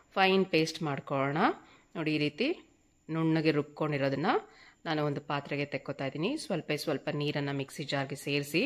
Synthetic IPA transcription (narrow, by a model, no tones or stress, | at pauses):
pʰɐjnpe̞ːsʈmaːɖkoɭɐɳɐ | noːɽiiːɾiːt̪i | nuɳːɐɡeɾup̚ko̞ɳɖiɾoːd̪ɐnːɐnaːnuond̪upaːt̪ɾɐɡet̪ekːot̪aːjd̪iːnisʋɐlpɐsʋɐlpɐniːɾɐnːɐmiksid͡ʒaːɾɡese̞ːɾsi